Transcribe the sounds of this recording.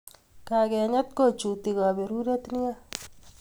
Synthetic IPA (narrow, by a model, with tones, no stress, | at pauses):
ka˨kɛ˨ɲa˦t̚ko˦˨t͡ʃu˨ti˨ka˨be˨ɾu˦ɾe˦tni˦a˦